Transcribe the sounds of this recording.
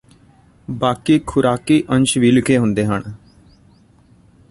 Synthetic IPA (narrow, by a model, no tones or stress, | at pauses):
baːkiːkʰʊɾaːkiːʔə̃nt͡ʃʋiːlɪkʰeːɦʊnd̪eːɦəɳ